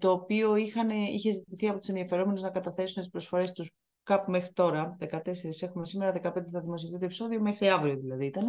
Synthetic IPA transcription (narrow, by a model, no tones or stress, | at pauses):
t̪o̞ːpio̞ixɐneiçe̞zit̪iθiɐpo̞t̪u̥senðiɐfe̞ɾo̞me̞nuznɐkɐt̪ɐθe̞sunet̪ispɾo̞sfo̞ɾe̞st̪us | kɐpume̞xɾit̪o̞ɾɐðe̞kɐt̪e̞se̞ɾise̞xumesime̞ɾɐðe̞kɐpe̞nd̪eθɐðimo̞sioθit̪opiso̞ðio̞me̞xɾiɐvɾio̞ðilɐðiit̪ɐne